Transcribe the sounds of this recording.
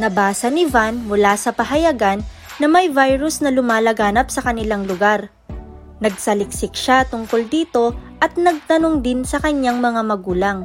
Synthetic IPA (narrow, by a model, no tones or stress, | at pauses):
nɐbaːsɐnɪvanmʊlasɐpɐɦɐjaɡanː | ɐmɐjvajɾʊsnɐlʊmaːlɐɡaːnɐp̚sɐkɐnɪlaŋlʊɡaɾ | nɐɡ̚sɐlɪksɪk̚ʃat̪ʊŋko̞ld̪iːt̪o̞ʔɐt̪̚nɐɡ̚t̪ɐnoŋd̪ɪnsɐkɐɲːaŋmɐŋamɐɡuːlɐŋ